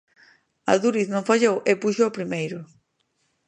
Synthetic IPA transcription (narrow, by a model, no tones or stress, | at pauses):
a̰ðuɾiθnõŋfaʎowʔepuʃoopɾimejɾʊ